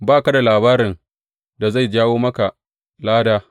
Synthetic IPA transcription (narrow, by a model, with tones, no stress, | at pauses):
baː˦˨ka˦da˨laː˨baː˦ɾɪ˨n | da˨za˦˨jd͡ʒaː˦woː˦mɐ˦ka˨ | laː˦daː˦